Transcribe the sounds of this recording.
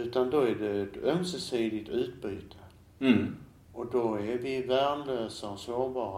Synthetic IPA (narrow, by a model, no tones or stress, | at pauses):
ʉ̟ːt̪and̪ɔæɖɛːt̪œmsəsiːd̪ɪt̪ʉ̟ːt̪̚by̰ːt̪ʰə̥ | ɔd̪ɔævɪvæmløːsaɔsoːbɑːɾ